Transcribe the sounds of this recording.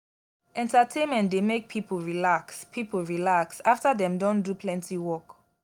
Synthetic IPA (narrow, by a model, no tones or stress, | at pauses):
ʔɛ̃ntatʰẽnmɛ̃ntdemek̚pʰipl̩ɹilakspʰipl̩ɹilaksaftadɛ̃mdɔ̃ndupʰlɛ̃ntʰiwɔk